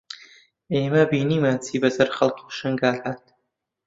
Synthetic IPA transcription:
eːmɐbiːniːmaːt͡sʰiːbɐzɐɾχɐlkʰuːʃɨŋɡaːɬat̪̚ʰ

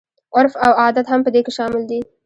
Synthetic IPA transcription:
ʊɾfawɑd̪at̪hampəd̪ekeʃɑmɪld̪i

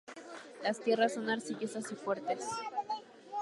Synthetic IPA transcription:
last̪je̞rasːo̞naɾsiʝosasifwe̞ɾt̪e̞s

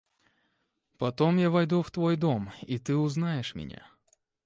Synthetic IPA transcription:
pɐt̪o̞mjavɐjd̪uft̪vojd̪o̞mit̪ɨʊznajɪʂmʲɪ̰nʲa̰

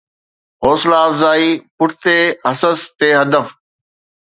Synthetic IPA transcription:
ɦoːslaːbzaːiːpʊʈʰɪt̪eːɦɐsəst̪eːɦɐd̪əf

